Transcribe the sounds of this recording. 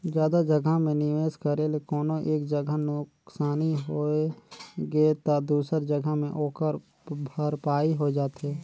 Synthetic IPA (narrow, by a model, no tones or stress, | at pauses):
zjaːd̪ad͡ʒəɡʱəmẽnɪʋeːskəɾelekɔːnoʔeːkd͡ʒəɡʱanʊksaːniɦoeɡet̪ad̪uːsəɾd͡ʒəɡəmẽʔoːkəɾ | bʱəɾpaːiɦod͡ʒaːt̪ɦeː